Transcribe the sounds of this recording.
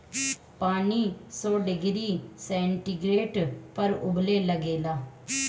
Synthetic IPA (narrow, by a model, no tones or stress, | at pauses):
paːniːsɔːɖɪɡɾiːsɛ̃ːɳʈiɡɾeːʈpəɾʊbleːləɡeːlaː